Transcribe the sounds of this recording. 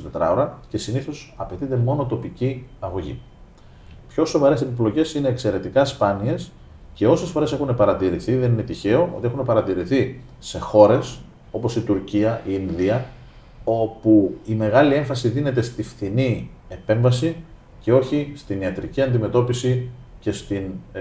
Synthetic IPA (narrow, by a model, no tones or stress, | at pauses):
t̪et̪ɾɐ̰oɾɐce̞siniθo̞sɐpe̞t̪it̪e̞mo̞no̞t̪o̞piciɐɣo̞ʝḭ | pço̞so̞vɐɾe̞sepiplo̞ce̞sine̞ːkse̞ɾe̞t̪ikɐspɐnie̞s | ce̞o̞se̞sfo̞ɾe̞se̞xune̞pɐɾɐt̪iɾiθiðe̞nine̞t̪içe̞o̞ʔo̞t̪ie̞xune̞pɐɾɐt̪iɾiθi | se̞xo̞ɾe̞s | o̞po̞sit̪uɾciɐiinðiɐ | o̞puime̞ɣɐlie̞ɱfɐsiðine̞t̪e̞st̪ifθinie̞pe̞ɱvɐsi | ce̞o̞çist̪iniɐt̪ɾiciɐnd̪ime̞t̪o̞pisi | ce̞st̪in